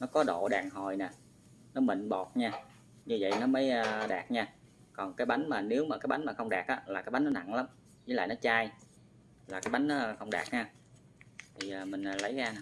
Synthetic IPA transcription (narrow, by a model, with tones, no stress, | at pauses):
nɔ˨˦kɔ˨˦ɗo̰˧˨ɗa̰ː˨˩ŋɦo˨˩jnɛ˨˩ | nɔ˨˦mḭ˧˨ŋɓo˨˩t̚ɲaː˧ | ɲɨ˧və̰˧˨jnɔ˨˦mə˨˦jːɗaː˨˩k̚ɲaː˧ | kɔ˨˩nkaː˨˦jɓa˨˦jŋ̟maː˨˩ne˨˦wmaː˨˩kaː˨˦jɓa˨˦jn̟maː˨˩xə˧wŋ͡mɗaː˨˩k̚ʔaː˨˦laː˨˩kaː˦jɓa˨˦jnɔ˨˦na̰˧˨ŋla˨˦m | zi˧˨˦la̰ː˧˨jnɔ˨˦t͡ɕaː˧j | laː˨˩kaː˨˦jɓa˨˦jŋ̟nɔ˨˦xə˧wŋ͡mɗaː˨˩k̚ɲaː˧ | t̪ʰi˨˩əː˨˩mï˨˩ŋ̟ː˨˩lə˨˦jɣaː˧n˨